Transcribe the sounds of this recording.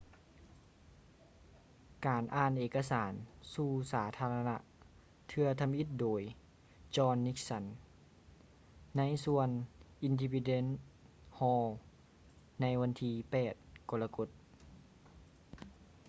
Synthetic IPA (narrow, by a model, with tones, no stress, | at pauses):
kaː˨nʔaː˧˩nʔeː˧˩kːa˧saː˨˩˦nsuː˧˩saː˩˦t̪ʰaː˧la˧na˧ʔ | t̪ʰɯ˧ɐt̪ʰa˧mʔi˧˥t̪̚doː˨˩j | t͡ɕɔː˧nːi˧˦˥k̚sa˧˩n | a˧˥jsu˧ənʔi˧ndi˧pi˧de˧˥n | hɔː˧ | na˧˥jʋa˧˥nt̪ʰiː˧pɛː˨˩t̪̚kɔ˧la˧ko˧˦˥t̪̚